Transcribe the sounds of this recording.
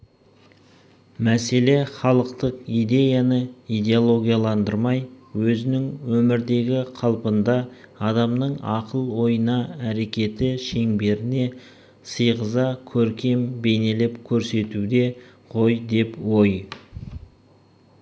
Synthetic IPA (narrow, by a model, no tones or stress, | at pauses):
mæse̞le̞χɑlˠəqt̪əqijd̪e̞janəijd̪e̞olˠo̞ɡʲijalˠɑnd̪əɾmɑjwɵzɪnɪŋwɵmɪɾd̪e̞ɡʲɪqʰɑlˠpənd̪ɑɑd̪ɑmnəɴɑqəlˠwo̞jənɑæɾe̞kʲe̞t̪ɪʃe̞ŋbe̞ɾɪne̞ | səjʁəzɑkʲʰɵɾkʲe̞mbe̞ne̞lɪpkʲʰɵɾse̞t̪ud̪e̞ | qʰo̞jd̪e̞pwo̞j